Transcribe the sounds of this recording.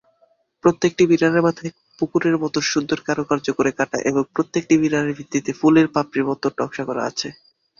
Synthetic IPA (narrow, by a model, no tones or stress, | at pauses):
pɾot̪ːek̚ʈibiɾaneɾmat̪ʰaj | pukuɾeɾmɔt̪oʃud̪ʱːoɾkaɾokaɾd͡ʑokoɾekaʈa̰ʔeboŋpɾot̪ːek̚ʈibiɾaneɾbʱit̪ːit̪efuleɾpapɾiɾmɔt̪ːoɖɔkʃakɔɾa̰at͡ɕʰe